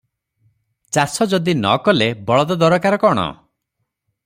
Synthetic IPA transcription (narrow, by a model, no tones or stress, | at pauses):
t͡ʃasɔd͡ʒɔd̪inɔ̰kɔlebɔɭɔd̪ɔd̪ɔɾɔkaɾɔkɔɽ̃ɔ̰